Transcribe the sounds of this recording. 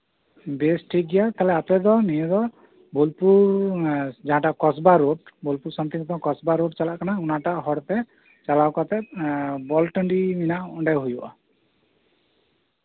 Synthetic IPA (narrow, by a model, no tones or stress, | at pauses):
besʈʰik̚ɡɛjat̪alɛapɛd̪ɔnijɛd̪ɔ | bolpuɾ | d͡ʒaɦãʈakɔsbaɾoɖbolpuɾsamt̪ʰĩŋt̪ʰɔ̃kɔsbaɾoɖt͡ʃalaʔkanaunaʈaʔɦɔɽt̪ɛ | t͡ʃalawkat̪ɛbɔlʈəɳɖiminaʔɔɳɖajɦujuʔa